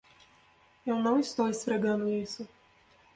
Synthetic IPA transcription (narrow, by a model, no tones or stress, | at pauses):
ewnɐ̃w̃ist̪owesfɾeɡɐ̃nd̪ʊisʊ